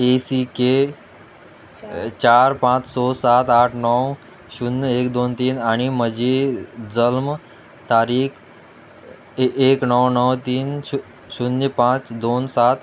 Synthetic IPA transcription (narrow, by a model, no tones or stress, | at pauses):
esike | t͡ɕaɾpãt͡ssɔsat̪aʈʰnɔw | ɕunːekd̪ont̪iːnaɽ̃iməd͡ʑʱid͡zəlm | t̪aɾiːkʰ | eknɔwnəwt̪iːnu | ɕunəpãt͡sd̪onsat̪